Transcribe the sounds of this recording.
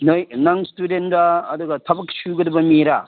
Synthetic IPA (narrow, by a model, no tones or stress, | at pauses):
nojnaŋstudenɾaːd̪uɡɐtʰɐbɐksuɡɐdɐbɐmiɾa